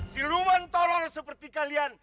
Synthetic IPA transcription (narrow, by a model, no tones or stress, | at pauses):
silumant̪ɔlɔrsəpərt̪ikalian